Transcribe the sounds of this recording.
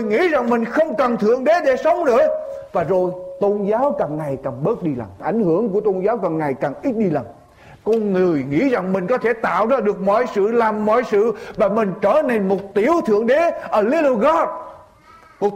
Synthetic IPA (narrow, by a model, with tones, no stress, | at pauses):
jŋḭ˧˥za˨˩ŋmï˨˩ŋ̟xə˧wŋ͡mkə˨˩nt̪ʰɨ̰˧˨əŋɗe˨˦ɗe˧˥sə˨˦wŋ͡mɗɨ̰˧˨əvaː˨˩zo˨˩jt̪o˧nzaː˨˦wka˨˩ŋŋa˨˩jkaː˨˩ŋɓəː˦˥t̚ɗi˧la̰˨˩mʔa˧˩jŋ̟hɨ˧˩˥əŋku˧˩ət̪o˧nzaː˨˦wka˨˩ŋːa˨˩jkaː˨˩ŋʔi˦˥t̚ɗi˧la˨˩m | kɔ˧ŋɨ˨˩əjŋḭ˧˥za˨˩ŋmï˨˩ŋ̟kɔ˨˦t̪ʰe˧˩t̪a̰ː˧˨wzaː˧ɗɨ˨˩ək̚mɔ̰˧˨jsɨ̰˧˨laː˨˩mːɔ̰˧˨jsɨ̰˧˨vaː˨˩mï˨˩ŋ̟t͡ɕəː˧˩ne˧nmo˨˩t̚t̪i˧˩əwt̪ʰɨ̰˧˨əŋɗe˨˦ʔəː˧˩li˨˧˦lo˧ɣɔ˨˦˥t̚ | mo˨˩t